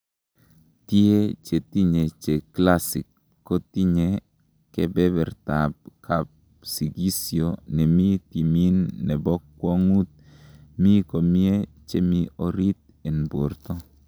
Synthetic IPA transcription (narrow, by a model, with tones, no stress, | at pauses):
t̪je˦t͡ʃe˨t̪i˦ɲe˨t͡ʃe˨kla˦si˨kː | o˦t̪i˦ɲe˨ | kɛ˦bɛ˦bɛ˨ɾt̪ab̚kʰa˨p̚ | si˨ɡi˦sjo˨nɛ˨mi˦t̪i˨mi˦nːɛ˨bɔ˦kːwɔ˦ŋu˦t̪̚ | mi˦ko˨mi˦e˦ | t͡ʃe˦mi˦o˨ɾi˦t̪̚ | e˨nbo˨ɾt̪ɔ˦